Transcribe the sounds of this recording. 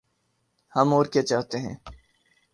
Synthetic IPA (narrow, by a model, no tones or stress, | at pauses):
hɐmoːɾket͡ʃaːɦt̪eɦɛ̰̃ː